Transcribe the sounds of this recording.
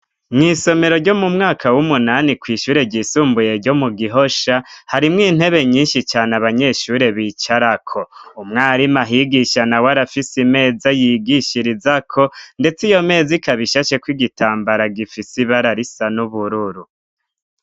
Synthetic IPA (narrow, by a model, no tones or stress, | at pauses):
mŋiːso̞me̞ɾo̞ɾɟo̞mumŋaːkawumunanikwiːʃuːɾe̞ɟiːsuːmbuje̞ɾɟo̞muɡiɦo̞ʃahaɾimŋiːn̥he̞βe̞ɲiːnʃit͡ʃaːnaβaɲe̞ʃuːɾe̞βiːt͡ʃaɾakʰo̞umŋaːɾimaɦiɡiʃanawaɾafisime̞ːzajiɡiʃiɾizakʰo̞nde̞t͡sijo̞me̞ːzikaβiʃaʃe̞kwiɡitaːmbaɾaɡifisiβaɾaɾisanuβuɾuɾu